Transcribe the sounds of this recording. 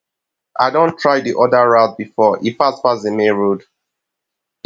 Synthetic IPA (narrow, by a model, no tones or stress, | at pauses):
ʔaɪdõntʰɹaɪdiʔɔdaɹaʊt̚bifɔʔipaspasdemeɹod